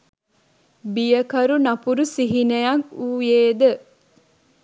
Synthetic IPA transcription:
bijəkɐɾunɐpuɾusiɦinejɐkuːjeːd̪ə

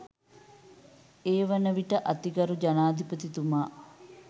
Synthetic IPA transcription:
eːʋənəʋiʈəʔat̪iɡɐɾud͡ʒanaːd̪ʱipət̪it̪umaː

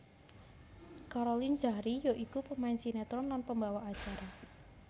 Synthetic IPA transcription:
kaɾolind͡ʒahɾijoʔikupəmaɪnsinɛt̪ɾɔnlanpəmbawaʔat͡ʃaɾa

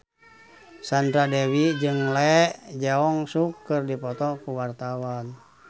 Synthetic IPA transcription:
sand̪ɾadɛwid͡ʒɨŋlɛʔd͡ʒaɔŋsukːɨrdipɔt̪ɔkuwart̪awan

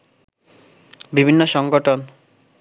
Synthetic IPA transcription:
bibʱinːoʃɔŋɡoʈʰon

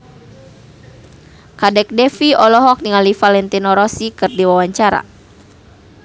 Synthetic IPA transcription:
kadɛk̚dɛfiɔlɔɦɔk̚niŋalifalɛnt̪inɔɾɔsikɨrdiwawaɲt͡ʃaɾa̰

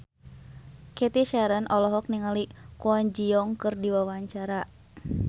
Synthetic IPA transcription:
kɛt̪iʃaɾənʔɔlɔɦɔk̚niŋalikuaɲd͡ʒiɔŋkɨrdiwawaɲt͡ʃaɾa

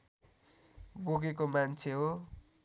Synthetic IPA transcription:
boɡekomant͡sʰeɦo

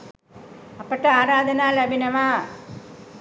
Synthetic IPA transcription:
ɐpːɐʈːɐaːɾaːd̪ɐnaːlɐbʱinɐʋaː

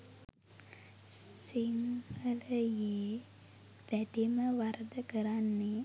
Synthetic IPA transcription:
siŋhələjeː | ʋ̪æɖiməʋaɾəd̪əkəɾanːe

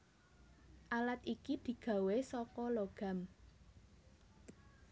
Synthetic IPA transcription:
ʔalat̪̚ikid̪̥i̤ɡ̥ä̤wesɔkɔloɡ̥a̤m

